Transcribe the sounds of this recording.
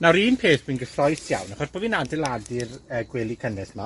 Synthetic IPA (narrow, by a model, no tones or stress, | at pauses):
naɾiːnpʰeːθd̥winɡəθrɔjθja̰wnaχɔsb̥oːviːnadɛlˠadɪrəːɡwɛlˠikʰənɛθma